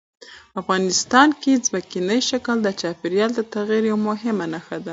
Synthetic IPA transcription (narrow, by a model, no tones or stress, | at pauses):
afɣɑnɪst̪ɑnkezməkinəjʃakəld̪ət͡ʃɑpiɾjɑld̪ət̪aɣiɾjawmʊɦɪmanaxad̪a